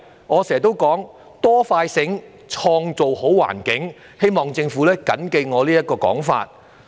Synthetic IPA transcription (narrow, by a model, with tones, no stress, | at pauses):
ŋɔː˨˧sɛː˨˩˨t̪̬o˥wkɔː˨˥ŋ | t̪ɔː˥faː˧jsɪ˨˥ŋ | t͡ʃʰɔː˧ŋt͡so˨who˨˥wwa̰ː˨˩nkɪ˨˥ŋ | he˥jmɔː˨˩ŋt͡sɪ˧ŋfuː˨˥lɛː˥kɐ̰˨˥nke˧jŋɔː˨˧liː˥jɐ˥t̚kɔː˧kɔ̰ː˨˥ŋfa̰ː˧t̚